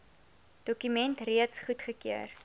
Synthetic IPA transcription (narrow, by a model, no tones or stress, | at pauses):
d̥ɔkymɛntriətsχutχəkyər